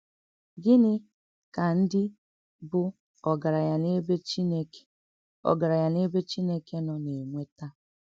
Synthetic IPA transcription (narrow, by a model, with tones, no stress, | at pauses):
ɡɪ˦nɪ˦ | ka˨n̩˦dɪ˦ | bʊ˦ | ɔ˨ɡa˨ɾa˨ja˨ne˦be˦t͡ʃi˦ne˦k | ɔ̰˨ɡa˨ɾa˨ja˦ne˦be˦t͡ʃi˦ne˦ke˦nɔ˨ne˨mʷe˦ta˦